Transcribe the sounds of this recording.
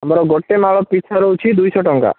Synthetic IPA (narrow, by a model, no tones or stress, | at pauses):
əmaɾɔɡɔʈːemaɭɔpit͡ʃʰaɾɔut͡ʃʰid̪ujsɔʈɔŋka̰